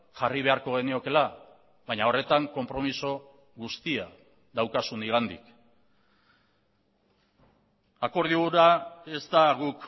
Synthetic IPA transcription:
ʝariβ̞e̞aɾko̞ɣ̞e̞nio̞ke̞la | βajɲao̞re̞t̪aŋko̞mpɾo̞miso̞ | ɣust̪ia | ðawkasuniɣ̞and̪ḭk | ako̞ɾð̞iɣuɾae̞zt̪aɣuk

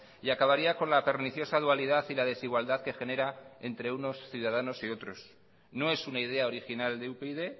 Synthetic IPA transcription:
iakaβaɾiako̞nlape̞ɾniθjo̞saðualiðaθilaðe̞siɣ̞wald̪aðke̞xe̞ne̞ɾaent̪ɾe̞uno̞sθjuð̞að̞ano̞sio̞t̪ɾo̞s | no̞e̞sunaið̞e̞ao̞ɾixinald̪eupeiðe̞

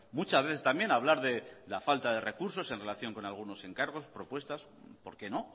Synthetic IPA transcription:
mut͡ʃazβe̞θe̞st̪ambje̞naβlaɾðe̞lafalt̪aðe̞re̞kuɾso̞se̞nrelaθjo̞ŋko̞nalɣ̞uno̞se̞ŋkaɾɣ̞o̞spɾo̞pwe̞st̪as | po̞̰ɾke̞no̞

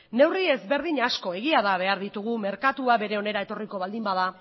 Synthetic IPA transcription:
ne̞wrie̞zβe̞ɾð̞iɲasko̞e̞ɣiaðaβe̞aɾðit̪uɣume̞ɾkat̪uaβe̞ɾe̞o̞ne̞ɾaet̪o̞riko̞βald̪imbað̞a

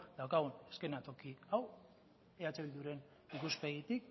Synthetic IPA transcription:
d̪awkaɣ̞uneske̞nat̪o̞kiaw | eat͡seild̪uɾe̞n | ikuspe̞ɣit̪ik

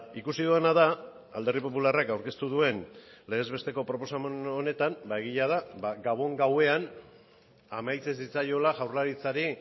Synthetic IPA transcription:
ikusiðuenað̞a | ald̪e̞ripo̞p̬ularakawɾke̞st̪uðue̞nle̞ezβe̞st̪e̞ko̞pɾo̞po̞samnone̞t̪ambaeɣiʎað̞abaɡaβ̞o̞ŋɡawe̞an | amajt͡sesit͡sajo̞laʝawɾlaɾit͡saɾi

